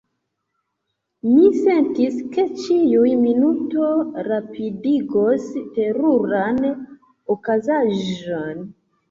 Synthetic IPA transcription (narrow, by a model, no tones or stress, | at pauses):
mise̞ntiske̞t͡ʃiujminuto̞ɾapidiɡoste̞ɾuɾan | okazaʒo̞n